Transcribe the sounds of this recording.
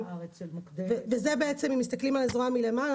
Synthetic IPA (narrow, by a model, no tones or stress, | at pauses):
d̪vevezebeet͡se̞mimis̬t̪aklimalezʁamile̞mal